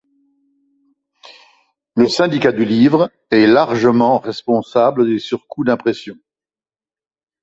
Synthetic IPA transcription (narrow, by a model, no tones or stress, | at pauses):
ləsɛ̃d̪ikad̪ylivʁ | ɛlaʁʒəmɑ̃ʁɛspɔ̃sabləd̪esyʁkud̪ɛ̃pχɛsjɔ̃